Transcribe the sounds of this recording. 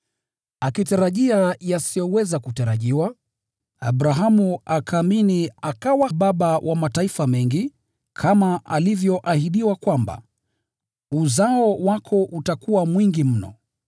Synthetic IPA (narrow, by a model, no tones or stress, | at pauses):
akitaɾaʄiajasijɔwɛzakutaɾaʄiwa | a̰ɓɾaɦamuakʰaːminiakawaɓaɓawʔamataifamɛŋɡi | kʰamaʔalivjɔʔahiɗiwakwamba̰ | uzaɔwakʰɔʔutakuwamwiŋɡim̩nɔ̰